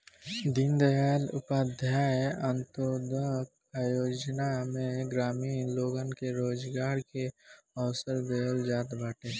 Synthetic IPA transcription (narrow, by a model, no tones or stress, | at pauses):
d̪ɪnd̪əɦaːlʊ̰paːd̪ʱjaːə̃nt̪oːd̪ək̚ | aːjoːd͡ʒnamẽɡɾaːmiːnloːɡənkeɾoːd͡ʒɡaːɾkeɔːʊsəɾd̪eɦəld͡ʒaːt̪baːʈeː